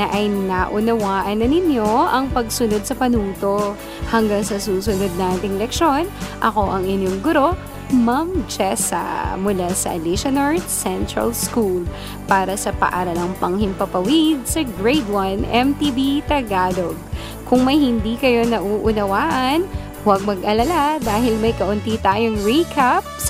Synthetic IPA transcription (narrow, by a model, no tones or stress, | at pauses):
nɐʔɐjnaʔʊnɐwaːʔɐnːɐnɪnjo̞ʔɐŋpɐɡsʊno̞d̪̚sɐpɐnuːt̪o̞ | hɐŋɡɐŋsɐsuːsʊnod̪̚naːt̪ɪŋlɛk̚ʃo̞nʔɐko̞ʔɐŋɪnjoŋɡʊɾo̞ | mɐŋd͡ʒɛsɐ̰mʊlasɐ̰liʃɐnɐɹsɛnt̪ɹɐ̰lskul | paːɾɐsɐpɐ̰ʔa̰ːɾɐnɐŋpɐŋhɪmpɐpɐwid̪̚sɐɡɹejd̪wɐnɛmt̪ibit̪ɐɡaːloɡ̚ | kʰʊŋmɐjhɪnd̪iːkɐjo̞nɐʔuːʔʊnɐwaːʔɐn | wɐɡ̚mɐɡʔɐlɐlad̪aːhɪlmɐjkɐʔʊnt̪it̪aːjoŋɹikʰap̚s